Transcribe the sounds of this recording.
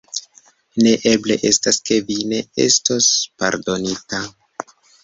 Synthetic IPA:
ne̞ʔe̞ble̞ʔe̞staske̞vine̞ḛsto̞spa̰ɾdo̞nita

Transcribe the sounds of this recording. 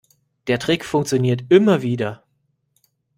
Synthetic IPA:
d̥eːɐtʁ̥ɪkfʊŋkt͡sjoniːɐtɪmɐviːdɐ

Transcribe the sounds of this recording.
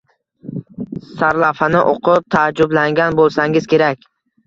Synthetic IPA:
saɾlˠafanɪʔoqʰʊp̚t̪ʰad͡ʒːʊblaŋɡʲanbolˠsaŋɪz̥kʲʰe̞ɾakʲ

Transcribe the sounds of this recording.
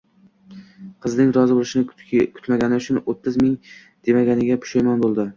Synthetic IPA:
qʰɨznɪŋɾɒzɪbolˠɪʃɪnɪkʰʊ̥t̪maɡʲanɪʊt͡ʃʰʊnot̪ʰːɪzmɪŋ | d̪̥e̞maɡʲanɪɡʲapʰʊ̥ʃajmanbolˠd̪ɪ

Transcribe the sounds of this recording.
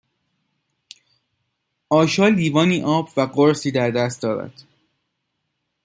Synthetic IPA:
ʔɒːʃɒːliːvɒːniːʔɒːbvæɢoɾsiːd̪æɾd̪æst̪̚d̪ɒːɾæ̰d̪̥

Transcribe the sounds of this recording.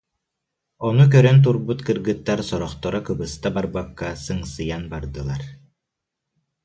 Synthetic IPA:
ɔnuk̬œɾœnt̪̬uɾbut̪kɯɾɡɯt̪ːaɾsɔɾɔχt̪ɔɾɔkɯbɯst̪abaɾbakːasɯŋsɯjanbaɾd̪ɯlˠaɾ

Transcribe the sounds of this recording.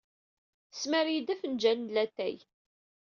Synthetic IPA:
əsməɾjid̪æfənd͡ʒænlæt̪ːæ̰j

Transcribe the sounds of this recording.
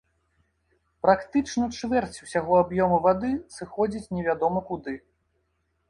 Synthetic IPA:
pɾakt̪ɨt͡ʂnɐt͡ʂvʲɛrt͡sʲu̥sʲaɣɔabjɔmɐvad̪ɨsɨxɔd͡zʲit͡sʲnʲɛvʲad̪ɔmɐkud̪ɨ

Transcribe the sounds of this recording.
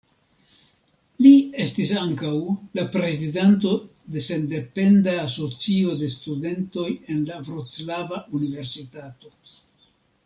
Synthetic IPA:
lie̞stisaŋkawlapɾe̞zidanto̞ | de̞se̞nde̞pe̞ndaːso̞t͡sio̞de̞stude̞nto̞je̞nlavɾot͡slavaunive̞ɾsitato̞

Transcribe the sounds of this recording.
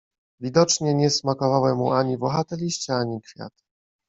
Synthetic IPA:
vʲid̪ɔt͡ʂɲɛɲɛsmakɔvawɛmːuaɲibɔxat̪ɛlʲiɕt͡ɕɛaɲikfʲja̰t̪

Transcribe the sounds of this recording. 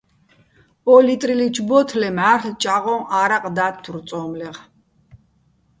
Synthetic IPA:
ɔlit̪ʼɾilit͡ʃʰbɔt̪ʰlɛmaɾt̪ʰt͡ʃʼaʁɔʔaɾaqʼd̪at̪ʰːuɾt̪sʼɔːmlɛʁ

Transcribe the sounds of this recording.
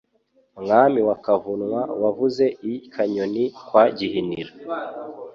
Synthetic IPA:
mŋaːmiwakavunŋwawavuze̞ikʰaɲonikwaɟihiniɾa

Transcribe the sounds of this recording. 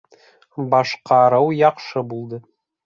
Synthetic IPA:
bɑʃqɑɾɤwjɑqʃɤbulˠd̪ɤ

